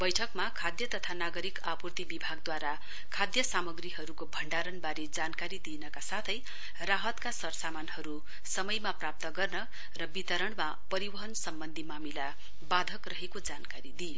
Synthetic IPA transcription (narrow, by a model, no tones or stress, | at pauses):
bʌjʈʰʌkmakʰad̪jʌt̪ʌt̪ʰanaɡʌɾikapurt̪ibibʱaɡd̪waɾa | kʰad̪jʌsamʌɡriɦʌɾukobʱʌɳɖaɾʌnbaɾed͡zankaɾid̪inʌkasat̪ʰʌj | raɦʌt̪kasʌrsamanhʌɾu | sʌmʌjmaprap̚t̪ʌɡʌrnʌ | rʌbit̪ʌɾʌɳma | pʌɾibʌɦʌnsʌmbʌnd̪ʱimamila | bad̪ʱʌkrʌɦekod͡zankaɾid̪ijo